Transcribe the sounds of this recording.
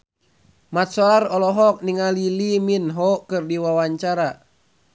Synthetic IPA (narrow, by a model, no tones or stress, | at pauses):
mat̪̚sɔlarɔlɔɦɔk̚niŋaliliminɦɔkɨrdiwawaɲt͡ʃaɾa